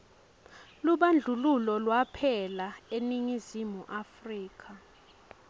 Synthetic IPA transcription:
luɓand͡ɮʱululɔlwapʰɛlaeniŋizimuʔafriːkʰa

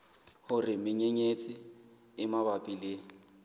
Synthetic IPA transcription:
hʊrɪmɪɲeɲet͡sʼɪ | ɪmabapʼileːŋ̩

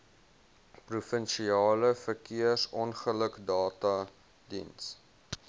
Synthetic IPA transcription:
prufənʃiɑːləfərkiəsɔnχələkdɑːtɐ | dḭns

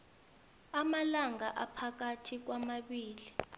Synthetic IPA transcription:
amalaŋaʔapʰak̬atʰik̬wamaɓiːli

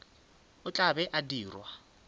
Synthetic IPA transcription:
ʊt͡ɬʼabɛʔadiːrwa

